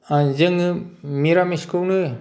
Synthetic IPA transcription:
azɯŋɯmiɾamiskʰɯwnɯ

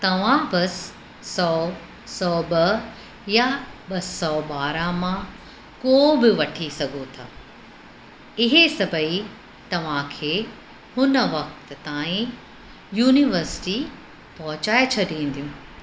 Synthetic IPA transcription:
t̪ɐʋ̤ãbɐs | sɔː | sɔːɓɐ | jaɓɐsɔːɓaːɾamã | koːbɪʋɐʈʰisɐɡʱot̪ʰa̰ː | ɪɦesɐbʱəi | t̪ɐʋ̤ãkʰeː | hʊnəʋɐk̚t̪t̪ãːĩ | juːniʋəɾsɪ̥ʈi | pɐɦʊt͡ɕaːet͡ɕʰɐɗĩːn̆d̪ijũː

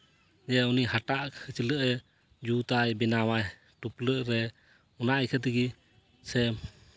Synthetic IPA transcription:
d͡ʒɛunihaʈaʔkʰɯt͡ʃiləʔɛ | d͡ʒut̪ajbɛnawaj | ʈupləʔɾɛ | unaʔjkʰət̪̬iɡi | sɛ

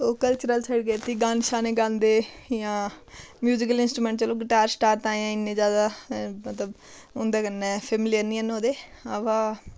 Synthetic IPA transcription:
oːkəlt͡ʃəɾəlsʰəɽɡeːt̪iːɡãːnʃaːnẽːɡãːnd̪eːjãːmjuːd͡ʒɪkəlɪnsʈɾuːmɛ̃ːɳʈ̚t͡ʃəloːɡɪʈaːɾsʈaːɾʈ̪ãːjãːɪnːẽːd͡ʒjaːd̪aːmət̪ləb | ʊnd̪eːkənːɛːpʰɛːmɪlijəniənoːd̪eː | əʋaː

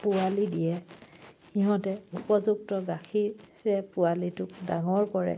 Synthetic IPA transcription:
pʊalidijɛ | xiɦɔ̃tɛupɔzuk̚tɔɡaxʰiɹɛpʊalitʊk̚daŋɔɹkɔɹɛ̰

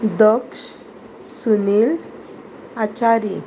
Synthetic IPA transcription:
d̪əkʂ | sunil | at͡ɕaɾi

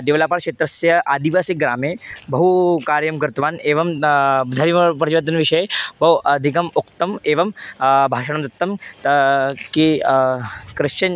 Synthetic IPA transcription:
d̪eːʋlaːpaːɾkʂeːt̪ɾɐsjɐʔaːd̪iʋaːsikɡɾa̰ːmeːbɐɦukaːɾjɐmkɐɾt̪ʋaːneːʋɐmd̪ʱɐɾipɾɐt̪iʋɐd̪ɐnʋiʂɐebɐwɐd̪ʱikɐmukt̪ɐmeːʋɐmbʱaːʃɐɳ̃ɐmd̪ɐt̪ːɐmt̪ki | kɾɨʃɐɲ

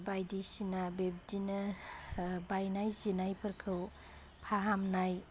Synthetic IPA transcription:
bajdisinabeb̚dinɐ | bajnajzinajpʰɐɾkʰɯw | pʰaɦamnaj

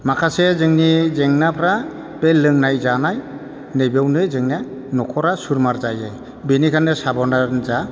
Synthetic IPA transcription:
makʰasezɯŋnizeŋnapʰɾa | b̥elːɯŋnajzanaj | nɯjbawnɯzɯŋnanɔkʰɔɾasuɾmaɾzaje | benikʰanːesabɔnaɾnza

